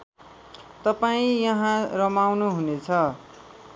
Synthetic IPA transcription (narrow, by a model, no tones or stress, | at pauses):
t̪ʌpaĩjʌɦãrʌmawnuɦunet͡sʰʌ